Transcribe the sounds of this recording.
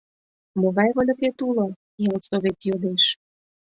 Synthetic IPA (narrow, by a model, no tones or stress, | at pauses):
moɣɑjβɤ̆lʲə̆ket̪ulo | jɑlsoβet̪jod̪eʃ